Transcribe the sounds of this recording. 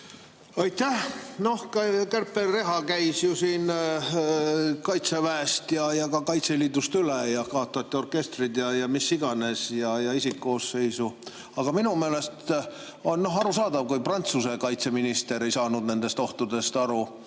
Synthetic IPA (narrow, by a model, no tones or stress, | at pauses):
ɑjt̪ːæhno̞hkkærpːˑerːe̞ɦɑkæjsjusiːn | kɑjt̪sevæest̪jɑjɑkɑkɑjt̪seliːd̪ust̪ylejɑkɑot̪ːˑoɑt̪ʲːio̞rke̞st̪rid̪jɑjɑmisːiɡ̥ɑne̞sjɑjɑisikːo̞ːsːe̞jsu | ɑɡ̥ɑminumeːle̞st̪ | onno̞ɦɑɾusɑːd̪̥ɑvkujprɑnt̪suse̞kɑjt̪se̞minist̪e̞ɾe̞jsɑːnud̪ne̞nd̪̥e̞st̪o̞ht̪ud̪̥e̞st̪ɑɾu